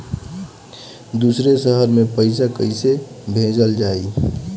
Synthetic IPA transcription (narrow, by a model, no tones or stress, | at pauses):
d̪usɾesəɦəɾmẽpəɪsakəɪse | bʱẽd͡ʒəld͡ʒaːi